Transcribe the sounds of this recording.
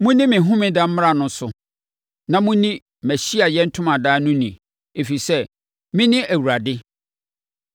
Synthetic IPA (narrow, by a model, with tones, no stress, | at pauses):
mʊ̃˦nĩ˦mɪ̃˨ɦʊ̃˦mɪ̃˦dã˦m̩˦m˦ɾa˨nʊ̃˦sʊ˨ | nã˨mũ˦nĩ˦ | mæ˨ɕi˦a˨jɛ˦n̩˦tʰʊ̃˦mã˨daː˦nʊ̃˦nĩ˨ | e˨fi˨i˨sɛ˦ | mɪ̃˦nɪ̃˦ʔæ˨wu˨ɾa˨dɪ˦